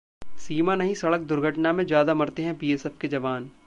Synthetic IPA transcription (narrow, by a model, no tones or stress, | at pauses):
siːmanɐɦĩsɐɽək̚d̪ʊɾɡʱəʈnamẽd͡ʒjaːd̪amɐɾt̪eɦɛ̃piːesɛfked͡ʒɐʋaːn